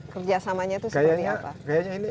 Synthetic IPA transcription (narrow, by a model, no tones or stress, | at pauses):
kərd͡ʒasamaɲat̪uskajaiapa̰kajaɲaini